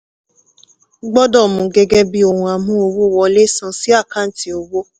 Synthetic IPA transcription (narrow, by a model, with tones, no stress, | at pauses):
ɡ͡bɔ˦dɔ˦˨mũ˨ɡɛ˧ɡɛ˦bi˦o˦˨hũ˧a˨mũ˦o˧wo˦˨wɔ˧le˦sã˧si˦a˦˨ka˦n̩˨˦ti˨o˧wo˦